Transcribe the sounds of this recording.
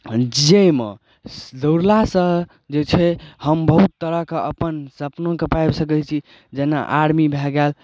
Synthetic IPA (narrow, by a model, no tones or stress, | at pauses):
d͡ʒemḛ | d̪əɾlasə̃ | d͡ʒet͡ʃʰɛhəmbəɦut̪ːəɾəɦkeʔəpənsəpnõkepajbsəkɛt͡ʃʰi | d͡ʒena̰ʔaɾmibʱɛɡɛl